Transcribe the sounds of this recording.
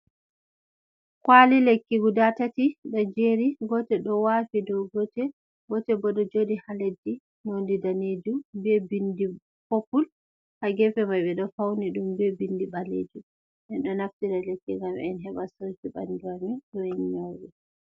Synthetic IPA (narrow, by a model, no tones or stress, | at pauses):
kwalilekːiɡudatatiɗɔd͡ʒeɾiɡɔtɛɗɔwafidɔwɡɔtɛ | ɡɔtɛbɔɗɔd͡ʒodihaledːi | nondidaned͡ʒumbɛbindi | popul | haɡɛfɛmajɓɛɗɔfawniɗumbɛbindibalḛd͡ʒu | ʔɛnɗɔnaftiɾalekːiŋɡamɛ̰ɛnɦɛɓasowt͡ʃiɓa̰nduamiɗɔɛnɲawɗɛ